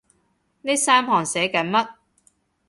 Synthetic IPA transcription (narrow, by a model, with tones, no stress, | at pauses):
ne˥saː˥mpʰɔː˨˩ŋsɛː˨˥kɐ˨˥nmɐ˥t̚